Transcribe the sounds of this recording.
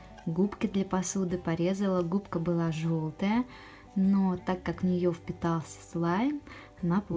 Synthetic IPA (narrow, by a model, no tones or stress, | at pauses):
ɡupkʲɪd̪lʲɐpɐsud̪ɨpɐɾʲe̞zəlˠəɡupkəbɨlˠaʐolˠt̪əjə | not̪akːakvnʲɪjofpʲɪt̪alˠsʲə̥slˠaj | nap